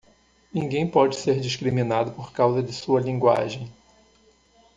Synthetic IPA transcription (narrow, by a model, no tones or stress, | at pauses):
nĩŋɡẽj̃pɔd͡ʒɪseɾd͡ʒiʃkɾimĩnad̪ʊpoɾkawzɐd͡ʒɪsuɐlĩŋɡwa̰ʒẽj̃